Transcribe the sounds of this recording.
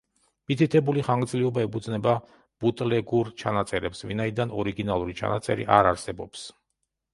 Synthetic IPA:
mit̪ʰit̪ʰɛbuliχaŋɡd̪zliɔbaɛpʰud̪znɛba | b̥ut̪ʼlɛɡuɾt͡ʃʰanat̪sʼɛɾɛpsvinaid̪anɔɾiɡinalˠuɾit͡ʃʰa̰na̰t̪sʼɛ̰ɾḭʔaɾaɾsɛbɔps

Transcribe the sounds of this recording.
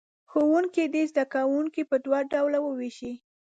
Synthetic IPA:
xowuŋkid̪ezd̪akawuŋkipəd̪wɑɖawlawəweʃi

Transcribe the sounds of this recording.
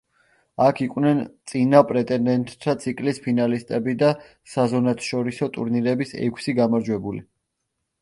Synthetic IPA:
akʰiqʼwnɛnt̪sʼinapʼɾɛt̪ʼɛnd̪ɛnt̪ʼːʰat̪sʰikʼlispʰinalist̪ʼɛbid̪a | sazɔnat̪ʰʃɔɾisɔt̪ʼuɾniɾɛbisɛ̰kʰsiɡamaɾd͡ʒwɛbuli

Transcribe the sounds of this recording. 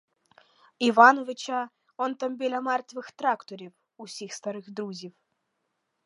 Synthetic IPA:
ivanovʲɨt͡ɕa | ɔnt̪ɐmʲbʲelʲamart̪ʲvɨxt̪ɾakt̪oɾʲiw | usʲixst̪aɾɨxd̪ɾuzʲif

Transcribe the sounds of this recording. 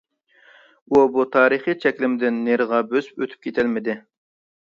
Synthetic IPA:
ubut̪ʰɑːɾɨχit͡ʃʰɛkʲlɪmɪd̪ɪnːeɾʁɑbøzy̥pøt̪ʰy̥p̚kʲʰet̪ʰɪlmɪd̪ɪ

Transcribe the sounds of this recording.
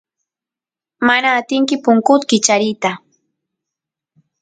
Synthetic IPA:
manaːt̪ɪŋkɪpʊŋkʊt̪kɪt͡ʃaɾɪt̪a

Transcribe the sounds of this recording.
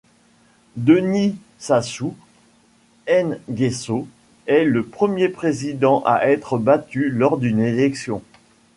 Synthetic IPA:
d̪əni | sasu | ɛnɡʲeso | ɛləpχəmjepχezid̪ɑ̃ʔa̰ʔɛt̪χəbat̪ylɔʁd̪ynelɛksjɔ̃

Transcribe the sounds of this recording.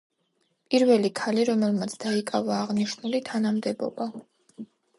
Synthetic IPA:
pʼiɾvɛlikʰaliɾɔmɛlˠmat̪sʰd̪aikʼavaːʁniʃnulit̪ʰanamd̪ɛbɔ̰ba

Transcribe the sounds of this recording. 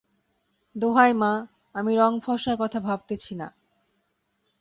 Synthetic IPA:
d̪oɦajma | amiɾɔŋfɔʃaɾkɔt̪ʰabʱab̚t̪et͡ɕʰina

